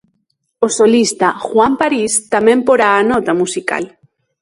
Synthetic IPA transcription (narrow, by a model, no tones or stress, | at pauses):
osolist̪axwampaɾist̪amẽmpoɾaːnɔt̪amusika̰l